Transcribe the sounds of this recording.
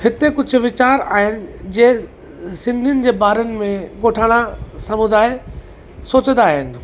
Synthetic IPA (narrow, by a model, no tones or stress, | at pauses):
hɪt̪ekʊd͡ʑʱʊ̆ʋɪt͡ɕaːɾa̰ːɦɪnɪ̆d͡ʑeː | sɪ̃nd̪ʱiənɪ̆d͡ʑeːbaːɾənɪ̆mẽɡoːʈʰaːɽ̃asɐmʊ̃d̪aːe | soːt͡ɕənd̪aːɦɪnɪ̆